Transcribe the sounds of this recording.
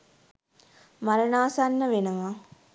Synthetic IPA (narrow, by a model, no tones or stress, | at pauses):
maɾənaːsanːəʋenəʋa